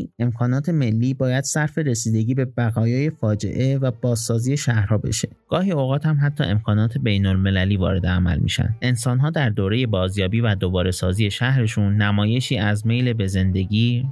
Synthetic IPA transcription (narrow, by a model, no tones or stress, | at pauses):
e̞mkʰɒːnɒːt̪ʰe̞me̞lːiːbɒːjæd̪̥sæɾfe̞ɾe̞siːd̪e̞ɟiːbe̞bæɣɒːjɒːje̞fɒːd͡ʒe̞̰ʔe̞væbɒːzsɒːziːje̞ʃæhɾhɒːbe̞̰ʃe̞ | ɡ̥ɒːhiːoɣɒːt̪æmɦæt̪ʰːɒ̰ːʔe̞mkʰɒːnɒːt̪ʰe̞be̞jnolme̞læliːvɒ̰ːɾe̞d̪eæmæ̰lmḭʃæ̰nd̪ʔe̞nsɒːnɦɒːd̪æɾd̪oːɾe̞je̞bɒːzjɒːbiːvæd̪obɒːɾe̞sɒːzije̞ʃæhɾe̞ʃunːæmɒːje̞ʃiːæzme̞jlebe̞ze̞nd̪e̞ɟiː